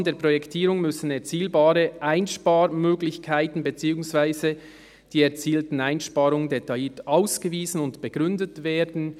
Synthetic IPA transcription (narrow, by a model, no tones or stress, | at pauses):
ndeːɐpʁ̥ojɛktʰiːɾʊŋmʏsn̩ɛɐt͡siːlbaːɾəʔaɪnʃpaːɾmøːɡlɪçkʰaɪtn̩bət͡siːʊŋsv̥aɪzə | d̥iːɛɐt͡siːltn̩aɪnʃpaːɾʊŋəndetaiːtʔaʊsɡ̥əviːzn̩ʊntb̥əɡ̥ʁʏndətveːdn̩